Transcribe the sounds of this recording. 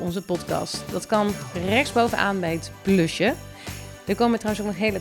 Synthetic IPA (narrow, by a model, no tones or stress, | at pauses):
ɔnzəpɔtkɑ̰stdɑtkɑnrɛχzbowvənʔa̰ːnbɛjətplɵʃə | dəkowməʋətrawənsɔknəχɦejlə